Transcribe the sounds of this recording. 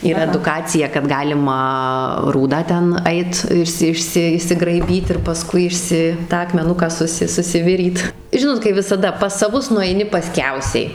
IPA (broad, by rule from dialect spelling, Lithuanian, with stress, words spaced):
iːˈrɐ ɛdʊˈkɑːt͡sʲɪjɛ kɐt ˈɡɑːlʲɪmɐ ˈruːdɑː ˈtʲɛn ˈɐɪt ˈɪʃʲsʲɪ ˈɪʃʲsʲɪ ɪʃʲsʲɪɡrɐɪˈbʲiːt ɪr pɐˈskʊɪ ɪʃʲˈsʲɪ ˈtɑː ɐkmʲɛˈnʊkɑː ˈsʊsʲɪ sʊsʲɪˈʋʲɪrʲiːt ˈʒʲɪnoːt kɐɪ ʋʲɪsɐˈdɐ pɐs sɐˈʋʊs nʊɛɪˈnʲɪ pɐˈsʲkʲɛʊsʲɛɪ